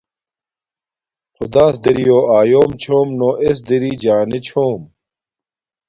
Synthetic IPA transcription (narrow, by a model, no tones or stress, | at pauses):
xud̪aːs̬d̪iɾijoːaːjoːmt͡ɕʰoːmnoʔes̬d̪iɾid͡ʑaːnet͡ɕʰoːm